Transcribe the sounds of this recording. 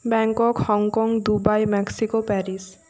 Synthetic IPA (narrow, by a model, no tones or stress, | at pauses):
bɛŋkokhɔŋkɔŋd̪ubajmɛksikopɛɾis